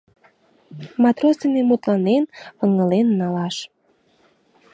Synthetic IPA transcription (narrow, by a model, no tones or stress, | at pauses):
mɑt̪rosinemut̪lɑnenəŋəlenːɑlɑʃ